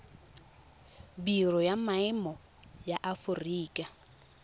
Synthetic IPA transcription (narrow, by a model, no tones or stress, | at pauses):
birɔjamaɪmɔ | jaʔafʊriːkʼa